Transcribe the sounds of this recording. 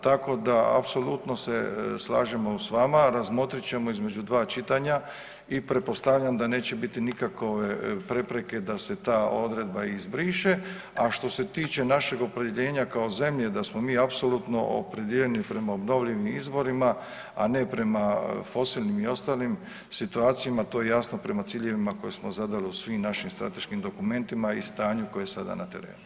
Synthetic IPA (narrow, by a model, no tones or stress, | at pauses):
t̪ako̞d̪aa̰pso̞lut̪no̞se̞slˠa̰ːʒemo̞usʋamaɾazmo̞t̪ɾit͡ɕe̞mo̞izme̞d͡ʒud̪ʋaːt͡ʃit̪aɲa | ipɾe̞po̞st̪aʋʎamd̪ane̞ːt͡ɕe̞bit̪inikakoʋepɾe̞pɾe̞ke̞d̪ase̞t̪aːo̞d̪ɾe̞d̪̚baizbɾiʃe | aʃt̪o̞se̞t̪iːt͡ʃe̞naʃe̞ɡo̞pɾe̞d̪jeʎe̞ːɲakao̞ze̞mʎe̞d̪asmo̞miːapso̞lut̪no̞̰ʔo̰pɾe̞d̪jeʎenipɾe̞maobno̞ʋʎiʋimizbo̞ɾima | a̰ne̞pɾe̞mafo̞siːlnimio̞st̪aːlim | sit̪uaːt̪sijamat̪o̞ːje̞jasno̞pɾe̞mat̪siːʎe̞ʋimako̞jesmozad̪aliusʋimnaʃimst̪ɾa̰t̪e̞ʃkimd̪o̞kume̞nt̪imaist̪aːɲuko̞jesad̪a̰nat̪e̞ɾḛːnu